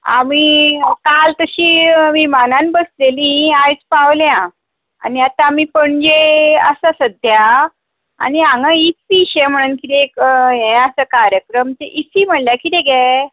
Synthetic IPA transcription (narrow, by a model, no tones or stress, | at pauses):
a̰mikalt̪əɕiːʋimanãnbəslelĩajt͡spaʋljã | a̰niat̪aːmipəɳd͡ʑeəsasəd̪ʱja | a̰niãŋɡait͡siɕɛm̤əɽ̃uːnkit̪ekẽasəkaɾjəkɾəmt̪eʔisiːm̤əɳljakit̪eɡɛ